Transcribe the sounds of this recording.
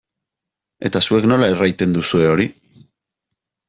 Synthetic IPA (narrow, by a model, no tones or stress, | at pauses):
e̞t̪asue̞kno̞lae̞rajt̪e̞nd̪usue̞o̞ɾi